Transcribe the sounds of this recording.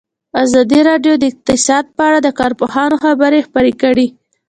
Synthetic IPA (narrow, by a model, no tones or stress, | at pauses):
azɑd̪iɾɑɖjod̪əɪq̚t̪ɪsɑd̪̚pəaɽad̪əkɑɾpohɑnoxabəɾexpəɾekəɽi